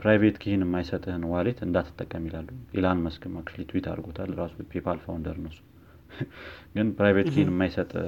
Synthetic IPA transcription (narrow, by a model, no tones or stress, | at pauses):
pɾajvet̪kʰihinɨmːajsət̪ʼhɨnwalet̪ɨnd̪at̪ʰːɨ̥t̪ʼːəkʼːəmilalːuʔelanməskʰɨmakʼt͡ʃlit̪ʰwit̪ʰa̰ɾɡo̞t̪ʰalɨɾasupʰepʰalfawnd̪əɾnəsːu̥ | ɡ̥ɨnpɾajvet̪kʰihinɨmːajsət̪ʼ